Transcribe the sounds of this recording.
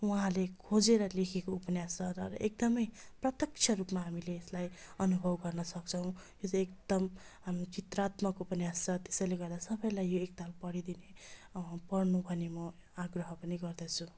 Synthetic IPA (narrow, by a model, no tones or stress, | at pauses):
uɦãlekʰod͡zeɾʌlekʰekoupʌnjast͡sʌɾʌek̚d̪ʌmʌjprʌt̪jʌk̚t͡sʰʌɾupmaɦamileːslajʌnubʱʌbɡʌrnʌsʌk̚t͡sʰʌw̃jot͡sʌ̃ekd̪ʌmt͡ʃit̪rat̪mʌkupʌnjast͡sʰʌt̪e̥sʌjleɡʌɾed̪asʌbʌjlajːoek̚t̪alpʌɽid̪ine | pʌrnubʱʌnemʌ | aɡrʌɦʌpʌniɡʌrd̪ʌt͡sʰu